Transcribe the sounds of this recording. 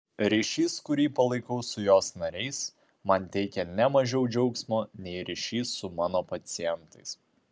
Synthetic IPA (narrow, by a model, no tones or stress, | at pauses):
ɾʲiʃʲiːskʊɾʲiːpɐlˠɐɪkɐʊsʊjoːsnɐɾʲɛɪs | mɐnt̪ʲɛɪkʲɛnʲɛmɐʒʲɛʊd͡ʒʲɛʊksmoːnʲɛɪɾʲɪʃʲiːsːʊmɑːnoːpɐt̪sʲɪjɛnt̪ɐɪs